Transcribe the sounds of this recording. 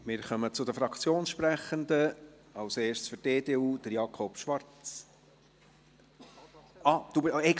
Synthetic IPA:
mɪːɾχœmət͡sʊd̪əfɾɑkt͡sjoːnsʃpɾæχəndə | ɑʊseːʃsfʏɾdeːdeːuːd̥̪əɾjɑkʰɔpʃʋɑɾt͡s | ɑd̪̥ubɛ

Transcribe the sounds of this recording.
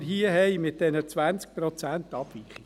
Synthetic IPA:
ɾɦiəɦɛɪmɪt̚d̥ɛnət͡sʋænt͡sk̚pɾɔt͡sænt̪ɑb̥ʋiχi

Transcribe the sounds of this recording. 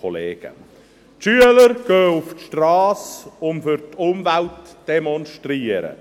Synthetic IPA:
ɔlḛːɡ̥ə̰ | tʃyːələɾɡ̥øːʊftʃtrɑːsʊmfʏɾtʰʊmvæltd̥emɔnʃtriːəɾə̰

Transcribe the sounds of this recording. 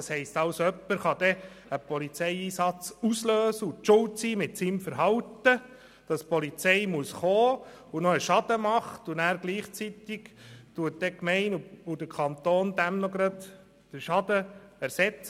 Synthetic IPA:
ɑshɛɪstɑwsœpːəɾχɑd̪ɛ | əpʰɔlit͡sɛɪiːsɑt͡susløːsəʊt͡ʃʊltsiːmɪtsimfəɾɦɑwt̪ə | d̥ɑspɔlit͡sɛɪmuəsχoː | unɔəʃɑd̥̪əmɑχtʊnæːɾɡliːχt͡sit̪ɪɡ̥tuət̚dɛkmɛɪnuud̥əɾkʰɑnt̪oːnd̥̪æmnɔɡɾɑd̪ | d̥əɾʃɑd̥̪əæɾsɛt͡s

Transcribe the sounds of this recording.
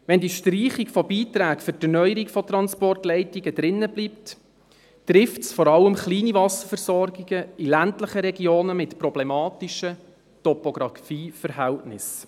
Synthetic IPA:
ʋɛndiʃtriːχikfɔbiːtɾæːkfʏɾtɛrnœjəɾikfɔt̪ɾɑnspɔrtlɛɪtiɡəd̥ɾɪnːəbliːp̚t | tɾɪftsfɔɾɑləmχliːnivɑsəfəɾsɔrɡiɡəilæntləχəɾɛɡioːnəmɪtpɾɔblɛmɑːtɪʃə | tɔpoɡɾɑfiːfəɾɦɛltnɪs

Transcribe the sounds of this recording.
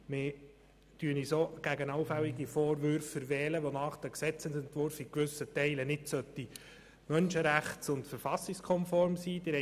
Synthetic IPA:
mɪ | d̥yːənisoɡ̥æɡənɑwfælːiɡifoːɾʋʏɾfəvɛːləʋonɑːχd̥æksɛt͡sɛnsɛnt̪ʋʊɾfikʋʏsətɛɪlənɪtsœt̪ːi | mœnʃəɾæχtsʊntfəɾfɑsɪkskʰɔnfɔɾmsiːd̥̪ɪɾɛ

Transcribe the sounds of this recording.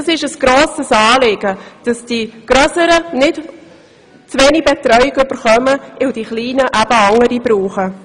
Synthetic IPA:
ɑsɪʃəsɡ̥ɾoːsəsɑːlɪːɡ̥əd̥ɑsd̥iɡ̥ɾœsəɾənɪt | t͡svɛːnibɛtɾœʏɪɡʏb̥əɾχœməɪwdiχliːnəʔæb̥əɑŋəɾibɾuːχə

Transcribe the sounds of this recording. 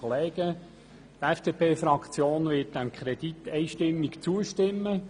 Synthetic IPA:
leːɡ̥ə | t̪ɛfd̥epʰeːfɾɑkt͡sjoːnʋɪt̚d̥æmkʰχɾɛd̪it̪ːɛɪʃtɪmːɪkt͡suəʃtɪmːə

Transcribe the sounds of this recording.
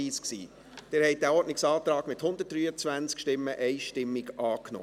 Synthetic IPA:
iːsksḭː | d̥eːɾhɛɪt̚d̥æɔɾdnɪksɑːt̪ɾɑːɡ̥mɪthʊnd̪ət̚d̥ɾyːət͡svænt͡skʃtɪmːəʔɛɪʃtɪmːɪɡʔɑːknɔ̰ː

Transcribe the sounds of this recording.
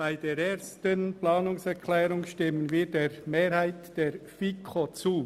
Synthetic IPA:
b̥aɪdeːɾeːɾstənplɑːnʊŋsɛɾkʰlɛːɾʊŋʃtɪmənviːɾdeːɾmeːɾhaɪtd̥eːɾfikʰot͡suː

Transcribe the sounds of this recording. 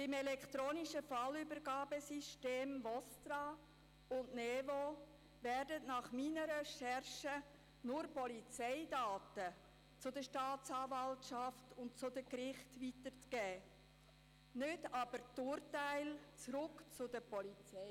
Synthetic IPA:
b̥ɪmɛlɛkχt̪ɾoːnɪʃəfɑlybəɾɡɑːbəsiʃteːmʋɔstɾɑ | ʊnnevo | vɛrdətnɑχminəɾɛʃɛɾʃə | nʊɾpɔlit͡sɛɪdɑːtə | t͡sʊdəʃtɑːtt͡sɑːvɑltʃɑftʊnt̚t͡sʊdəkɾɪχtvitəɾt͡sɡ̥ɛː | nʏtɑb̥əɾtʊːɾtæɪlt͡sɾʊkt͡sʊdəpɔlit͡sɛɪ

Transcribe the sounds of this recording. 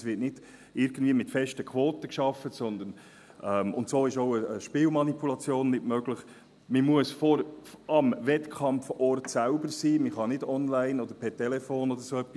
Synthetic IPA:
sʋɪtnɪd̥ | ɪɾɡ̥n̩dviːəmɪtfɛʃtəkʰʋoːtəkʃɑfətsɔnd̪ən | ʔɛmʊ̰ntsoːɪʃoʊəəʃpɪːlmɑnipulɑt͡sjoːnːɪtmøɡləχ | məmuəsfɔɾɑmʋɛtkʰɑmfɔrtsælbəɾsiːməχɑnɪdɔnlæɪnɔd̪əɾpʰɛtɛlɛfoːnɔd̪əɾsoɛpːis

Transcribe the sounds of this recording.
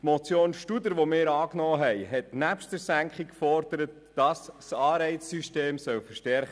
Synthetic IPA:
tmɔt͡sjoːnʃtud̪əɾʋomɪːɾɑːknɔːɦɛɪɦɛtnæpʃtəɾsæŋkχikkfɔrd̥̪əɾətːɑssɑːɾɛɪsːyʃteːmsœwfəɾʃtɛɾχə

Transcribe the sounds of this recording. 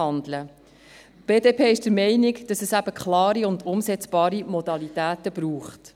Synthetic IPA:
ɑndlə | b̥eːdeːpʰeːɪʃd̥əɾmɛɪnɪɡd̥ɑsɛsæb̥əkχlɑːɾiʊndʊmsɛt͡sb̥ɑːɾimɔdɑlitæːtəbɾuːχt

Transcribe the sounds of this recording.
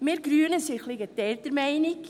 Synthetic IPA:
meːɾɡɾyːnəsɪχlɪɡət̪ɛlt̪əɾmæɪnɪk

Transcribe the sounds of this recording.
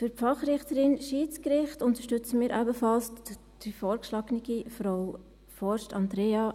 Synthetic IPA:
fyɾfɑχɾɪχtəɾɪnʃiːt͡skɾɪχtʊnt̪əʃtʏt͡səmiːɾʔæbəfɑls | d̥ifɔːɾkʃlɑːɡniɡ̥ifɾoʊ | fɔɾʃtɑnd̪ɾeːɑː

